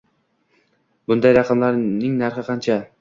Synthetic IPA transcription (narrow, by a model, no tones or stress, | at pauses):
bʊnd̪ajɾɑqʰɑmlaɾnɪŋnaɾχɨqʰɑnt͡ʃʰa